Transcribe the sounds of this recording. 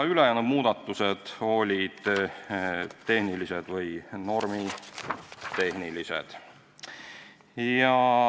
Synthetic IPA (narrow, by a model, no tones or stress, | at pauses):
ylejæːnud̥̪muːd̪̥ɑt̪ːˑuse̞d̪̥o̞lʲid̪̥ | t̪e̞hnilise̞d̪̥vɤjno̞rmi | t̪e̞ɦnilisḛd̪̥ | jɑ